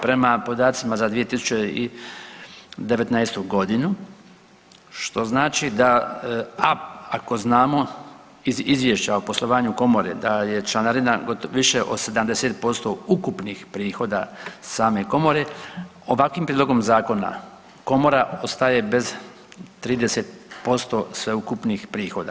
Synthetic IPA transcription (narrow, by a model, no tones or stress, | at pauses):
pɾe̞mapo̞d̪aːt̪simazad̪ʋije̞t̪isu̥t͡ɕeḭ | d̪eʋet̪najst̪uɡo̞d̪inu | ʃt̪o̞znaːt͡ʃid̪a | aako̞znaːmo̞ | iizʋjeʃt͡ɕaopo̞slˠo̞ʋaːɲuko̞mo̞ɾḛd̪aje̞t͡ʃlanaɾinaɡot̪ʋiʃeʔo̞̰se̞d̪amd̪e̞se̞t̪̚po̞st̪oukupnixpɾiːxo̞ːd̪a̰saːme̞ko̞mo̞ɾe̞ | oʋakʋimpɾiːd̪lo̞ɡo̞mzaːko̞na̰ | ko̞moɾao̞st̪aje̞be̞z | t̪ɾiːd̪eset̪̚po̞st̪o̞sʋe̞ukupnixpɾiːxo̞ːd̪a̰